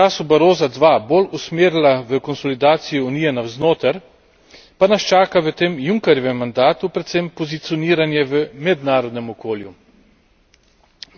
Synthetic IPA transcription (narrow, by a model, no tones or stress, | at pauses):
t͡ʃaːsubaɾoːzad̪ʋabolusmeːɾlaʋəkɔnsɔlid̪aːt̪sijɔunijɛnawznoːt̪əɾ | panast͡ʃaːkaʋət̪eːmjuŋkɛɾjɔʋɛmːand̪aːt̪upɾɛt̪sempɔzit̪siɔniːɾanjɛʋəmɛd̪naːɾɔd̪nɛmɔkoːlju